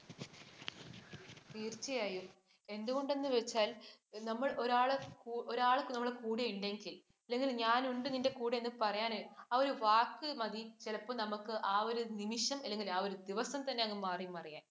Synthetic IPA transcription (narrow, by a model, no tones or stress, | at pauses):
ʋiːrt͡ɕːɐjaːjum | e̞nd̪uɣo̞ɳɖe̞nːɨʋe̞t͡ɕːaːlnɐmːɐɭo̞ɾaːɭɐkːoɾaːɭɐkːumnɐmːɐɭekuːɽejiɳɖe̞ŋɡil | ɐlːeŋɡilɲaːnuɳɖɨninde̞kuːɽeenːɨpɐrɐjaːnɨɐo̞ɾuʋaːkːɨmɐd̪it͡ɕelɐpːonɐmukːɨʔaːo̞ɾunimiʂɐmɐlːe̞ŋɡilaːo̞ɾud̪iʋɐsɐmt̪ɐnːe̞ɐŋːɐmaːrimɐrɐja̰ːn